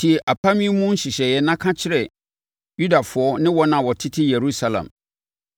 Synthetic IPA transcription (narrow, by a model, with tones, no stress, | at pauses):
tʰi˨ɛ˨ʔa˨pʰa˦mĩ˦mũ˦n̩˦ɕɪ˨ɕɛ˨jɛ˦nã˦kʰã˦t͡ɕʰɪ˦ɾɛ˨ | ju˦da˨fʊ˨˦ɔ˦nɪ̃˦wɔ˦nã˨wɔ˨tʰɪ˦tʰɪ˦je˨ɾu˦sa˨lã̰˨m